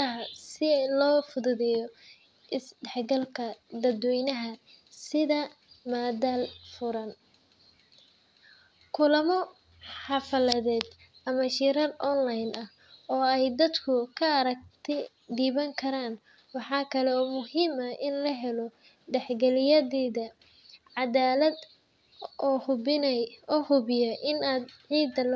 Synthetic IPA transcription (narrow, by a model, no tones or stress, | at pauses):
ɐɦɐsɪlɔːfʊðʊðɛjɔ | ʔɪsɖɛħɡɐlkʰɐd̪ɐd̪wɛjnɐɦɐ | sɪðɐ | maːd̪aːlfʊɾɐn | kʰʊlɐmɔ | ħɑfɐlɐðɛːd̪ | ʔɐmɐʃiɾɐlʔɔnlajnʔɐh | ɔːɛjd̪ɐd̪kʰʊkʰɐɐɾɐk̚t̪ʰɛ | d̪iːβɐŋkʰɐɾaːn | wɑħɑːkʰɐlɛɔːmʊhiːmɐʔɪnlɐɦɛlɔ | ɖɛħɡɛlɪjɐðɛːðɐ | ʕɑdaːlɐd̪ | ɔːhʊɪnɔːhʊβɪjɐʔɪnaːd̪ʕiːd̪ɐl